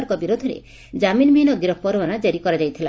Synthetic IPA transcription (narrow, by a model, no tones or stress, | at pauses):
ɾkɔbiɾod̪ʱɔɾḛ | d͡ʒaminmiɦinɔɡɾɔpɔɾwanad͡ʒaɾikɔɾad͡ʒajt̪ʰila